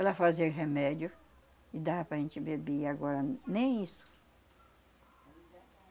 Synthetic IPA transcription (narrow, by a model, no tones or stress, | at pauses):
ɛlɐfazeɾɦemɛd͡ʒjʊ | ɪd̪aɾpɾɐʒẽnt͡ʃɪbebeaɡɔɾɐnẽj̃isʊ̥